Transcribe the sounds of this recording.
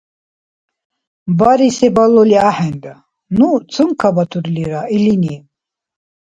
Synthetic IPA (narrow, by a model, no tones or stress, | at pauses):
baɾisɛbalɔliaħɛnd̪a | nut͡sʰɨmkʰabat̪ʰuɾliɾailini